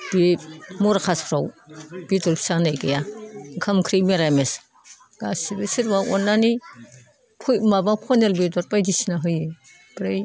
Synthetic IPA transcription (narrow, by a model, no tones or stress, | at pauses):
b̥emɔɾakʰasʰɾawb̥itɔlpʰi̥sanajɡajakʰamkʰɾimeɾames | ɡ̥asibɯsiɾbaɔnːani | kʰujmabakʰɔnelbedɔɾ̚pajdisinaɦɯjɯ | bɾej